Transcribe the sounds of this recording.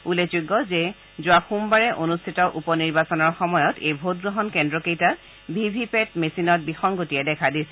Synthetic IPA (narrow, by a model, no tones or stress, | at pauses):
ulezuɡːɔzɛ | zʊaxumbaɹɛʔonustʰitɔʔupɔniɹbasɔnɔɹxɔmɔjɔtejbʱot̚ɡɹɔɦɔnkɛndɹɔkejtat | bʱibʱipɛtmesinɔt̚bixɔŋɡotijɛdɛkʰadisɛ